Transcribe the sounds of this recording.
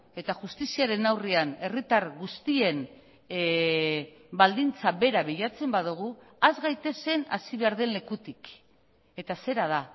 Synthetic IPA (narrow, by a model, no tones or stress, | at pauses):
e̞t̪aʝust̪isiaɾe̞nawriane̞rit̪aɾɣust̪ie̞n | bald̪int͡saβe̞ɾaβiʎat͡se̞mbaðuɣ̞u | azɣajt̪e̞se̞nasiβe̞aɾðe̞nle̞kut̪ik | e̞t̪ase̞ɾað̞a